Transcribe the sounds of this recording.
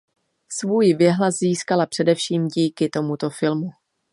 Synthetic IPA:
svuːjvjɛɦlazziːskalapr̥ɛdɛfʃiːmɟiːkɪt̪o̞mut̪o̞fɪlmu

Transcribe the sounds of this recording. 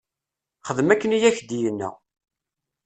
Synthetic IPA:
χəðəmækːənijæçd̪ijənːæ̰

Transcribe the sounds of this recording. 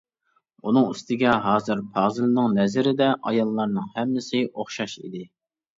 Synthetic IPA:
unɨŋyst̪ʰɪɡʲɛɦɑːzɨɾpʰɑːzɨlnɨŋnɛzɪɾɪd̪ɛʔɑjɑlˠːɑɾnɨŋhɛmːɪsɪʔoχʃɑʃḭd̪ɪ

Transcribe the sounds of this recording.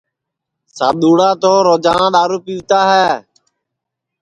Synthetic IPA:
sa̰ːɗ̪uːɽaːt̪oːɾoːd͡ʒãːɗaːɾuːpiːʋt̪aːɦɛː

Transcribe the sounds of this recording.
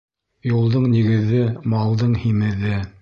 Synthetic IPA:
julˠd̪ɤɴniɡɘ̆ðːɘmɑlˠd̪ɤɴhimɘ̆ðɘ

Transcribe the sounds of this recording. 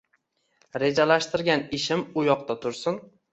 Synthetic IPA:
ɾe̞d͡ʒalaʃt̪ɪɾɡʲanɪʃɪmʊjɒqt̪at̪ʰʊɾsɪn

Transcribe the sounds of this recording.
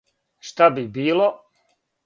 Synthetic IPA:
ʂt̪abibilˠɔ

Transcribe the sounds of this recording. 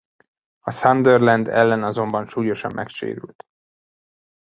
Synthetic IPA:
ɒsɒnd̪ørlɛnd̪ɛ̰lːɛnɒzo̞mbɒnʃuːjo̞ʃɒmːʔɛkʃḛːɾy̰lt̪

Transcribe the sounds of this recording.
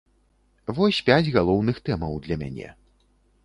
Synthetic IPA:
vɔsʲpʲad͡zʲɣalˠɔwnɨxt̪ɛmɐwd̪lʲɐmʲa̰nʲɛ̰

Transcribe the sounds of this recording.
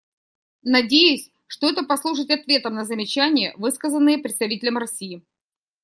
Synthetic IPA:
nɐdʲejʊsʲ | ʂt̪o̞ɛt̪əpɐslˠuʂətʲɐt̪vʲe̞t̪əmnəzəmʲɪt͡ɕænʲɪjəvɨskəzənːɨjəpɾʲɪt̪st̪ɐvitʲɪlʲəmrɐsʲijɪ

